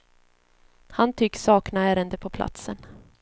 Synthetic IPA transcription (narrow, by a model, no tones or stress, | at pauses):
hant̪ʰʏkːsɑːknaæːɾənd̪əpʰɔpʰla̰t̪sən